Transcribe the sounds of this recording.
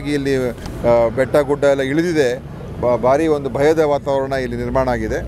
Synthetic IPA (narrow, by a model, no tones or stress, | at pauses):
ɡiːlːi | bɛʈːɐɡuɖːɐɛlːɐiɭid̪id̪e̞ | bʱaːɾio̞nd̪ubʱɐjɐd̪ɐʋaːt̪aːʋɾɐɳɐilːiniɾmaːɳɐaːɡid̪e